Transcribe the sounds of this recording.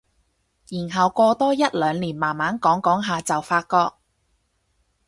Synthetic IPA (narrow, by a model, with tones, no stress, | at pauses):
jiː˨˩nɦɐ˨wkʷɔː˧t̪ɔː˥jɐ˥t̚lœː˨˧ŋliː˨˩nmaː˨˩nmaː˨˥nkɔː˨˥ŋkɔː˨˥ŋɦaː˨t͡sɐ˨wfaː˧t̚kɔː˧k̚